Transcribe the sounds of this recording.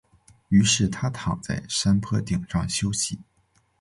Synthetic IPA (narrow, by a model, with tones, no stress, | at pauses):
y˧˥ʂɻ̩˥˩t̪ʰa˥t̪ʰɑ˨˩ŋt͡sa̰˥˩ɪʂa˥npʰɤ˥t̪i˨˩ŋʂɑ̰˥˩ŋɕjo˥ʊɕi˧˩˥